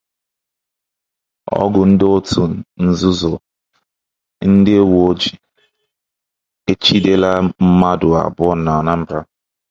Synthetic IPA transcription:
ɔ̰˦ɡʊ˨n̩˦dɪ˦o˦tu˦n̩˦zu˦zɔ˨ | n̩˦dɪ˦wo˨o˦d͡ʒi˨ | e˦t͡ʃi˦de˦la˦m̩˦ma˦dʊ˨a̰˨bʊ˦ɔ˦na˨na˦m̩˦bɾa˦

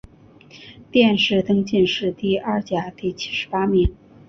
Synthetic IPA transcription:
t̪jɛ˥˧nʂɻ̩˥˩t̪ɤ˥ŋt͡ɕi˥˧nʂɻ̩˥˧t̪i˥˩a˥˩t͡ɕja˧˥t̪i˥˩t͡ɕʰi̥˥ʂɻ̩˧˥pa˥mi˧˥ŋ

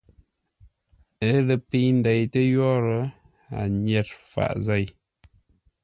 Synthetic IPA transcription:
ə˦lə˨pi˦jn˦da˨jtə˦jɔ˦ɾə˨˦ | a̰˨ɲɛ˦˨t̚fa̰˨ʔza˦˨j

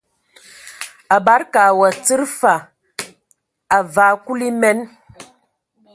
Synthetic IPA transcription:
a˨ba˦ɾka˨wa˨t͡si˦ɾfa˨ | a˨va˨˦ku˦li˦mɛ˦n

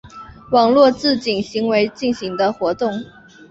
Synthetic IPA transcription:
wɑ˨˩ŋlwɔ˥˧t͡sɹ̩˥˩t͡ɕi˨˩nɕi˧˥ŋwe˧˥ɪt͡ɕi˥˩nɕi˧˥ŋd̪ə˧xwɔ˧˥t̪ʊ˥˩ŋ

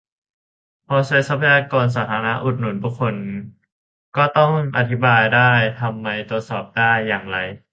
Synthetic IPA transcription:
pʰɔː˧saː˧˥jsa˦˥pʰːa˧jaː˧kɔː˧ns̬aː˩˦t̪ʰaː˧na˦˥ʔu˨˩t̪̚nu˩˦nbuː˥˩kʰo˧n | kɔː˥˩t̪ɔ˥˩ŋʔa˧t̪ʰi˦˥baː˧jdaː˥˩jt̪ʰa˧mːa˧jt̪u˨˩ət̪̚sɔː˨˩p̚daː˥˩jːaː˨˩ŋɾa˧j

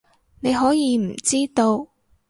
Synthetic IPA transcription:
ne˨˧jɦɔː˨˥jiː˨˧m̩˨˩t͡siː˥t̪o˧w

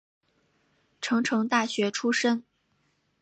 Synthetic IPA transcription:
ʈ͡ʂʰɤ˧˥ŋʈ͡ʂʰɤ˧˥ŋt̪a˥˩ɕɥɛ˧˥ʈ͡ʂʰu˥ʂə˥ŋ

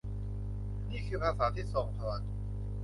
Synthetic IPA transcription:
niː˥˩kʰɯː˧pʰaː˧saː˩˦t̪ʰiː˥˩sɔː˩˦ŋt̪ʰa˧wa˧˦n

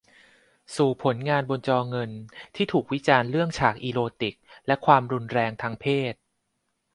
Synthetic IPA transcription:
suː˨˩pʰo˩˦nŋaː˧nbo˧nt͡ɕɔː˧ŋɤ˧nt̪ʰiː˥˩t̪ʰuː˨˩k̚wi˦˥t͡ɕaː˧nɾɯ˥˩əŋt͡ɕʰaː˨˩k̚ʔiː˧loː˧t̪i˨˩k̚lɛ˦˥kʰwaː˧mɾu˧nɾɛː˧ŋt̪ʰaː˧ŋpʰeː˥˩t̪̚

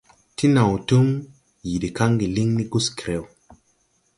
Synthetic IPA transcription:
ti˦na˨wtu˦m | ji˨di˨ka˦ŋɡi˨li˦ŋni˦ɡu˦ski˨ɾe˦˨w

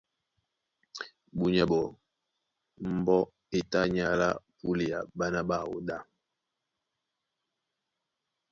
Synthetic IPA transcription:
bu˨ɲɛ˨bɔ˨ | m̩˨bɔ˦ | e˨ta˦ɲa˨la̰˦pu˦li˨ja̰˨ba˦na˦ba˦˨wo̰˨da˦˨

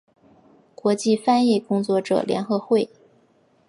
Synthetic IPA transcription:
kwɔ˧˥t͡ɕi˥˧fa˥ni˥˩kʊ˥ŋt͡swɔ˥˩ʈ͡ʂɤ̰˨˩ljɛ˧˥nxɤ˧˥xwe˥˩ɪ

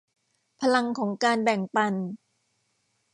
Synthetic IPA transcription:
pʰa˧la˧ŋkʰɔː˩˦ŋkaː˧nbɛ˨˩ŋpa˧n

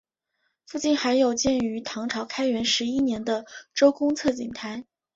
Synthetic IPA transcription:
fu˥˧t͡ɕi˥˩nxa˧˥ɪjo˨˩ʊt͡ɕjɛ˥˩ny˧˥t̪ʰɑ˧˥ŋʈ͡ʂʰɑ˧˥ʊkʰa˥ɪɥɛ˧˥nʂɻ̩˧˥i˥njɛ˧˥nd̪ə˧ʈ͡ʂo˥ʊkʊ˥ŋt͡sʰɤ˥˩t͡ɕḭ˨˩ŋt̪ʰa˧˥ɪ

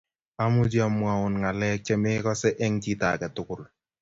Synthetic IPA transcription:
a˦mʊ˦d͡ʒi˦a˨mʊ˦a˨ʊ˨nŋa˨lɛ˦k̚t͡ʃɛ˦meː˦kɔ˦sɛ˦ʔɛ˦ŋt͡ʃi˦ta̰˨kɛ˨tʊ˦kʊ˦l

